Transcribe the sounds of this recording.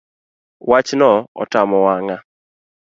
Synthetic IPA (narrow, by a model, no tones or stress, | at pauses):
wat͡ʃnɔɔ̰tamɔwaŋa